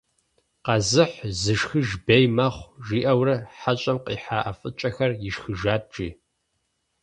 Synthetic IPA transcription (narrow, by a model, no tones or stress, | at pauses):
qɑzɨħzɨʃxɨʒbejmɐχʷʒiːʔɐwrɐħaɕʼɐmqʼiːħaːʔɐfʼɨt͡ʃʼɐxɐrjɪʃxɨʒaːtʈ͡ʂʼiː